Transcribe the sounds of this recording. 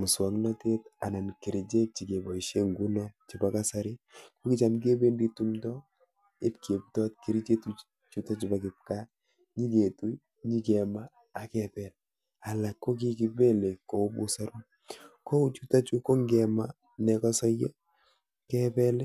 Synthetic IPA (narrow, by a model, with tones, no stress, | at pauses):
mʊ˨swa˨ŋnɔ˦te˦ta˨na˨nki˨ɾi˨t͡ʃe˦t̚t͡ʃi˨ke˨bɔ˨iʃe˦ŋɡu˦nɔ˦t̚t͡ʃiba˦ka˦sa˨ɾi˦ko˦ki˦t͡ʃa˨mɡe˦be˦ndi˦tumdɔ | e˦pke˨p̚tɔ˦tkiɾi˦t͡ʃe˦tu | t͡ʃu˦ta˦t͡ʃibakɪ˨p̚ka˦ | ɲi˦ke˨tu˦ | ɲi˦kɛmaː˦˨ | kɛbɛ˨l | a˨la˨kːo˦k̬i˦ki˨bɛ˦le˨ko˨u˦bu˦sa˦ɾu˦m | ko˦u˦t͡ʃu˦ta˦t͡ʃu˦ko˦ŋɡɛ˨ma | nɛ˨kɔ˦sɔ˦jɛ˦ | kɛbɛ˦lɛ˦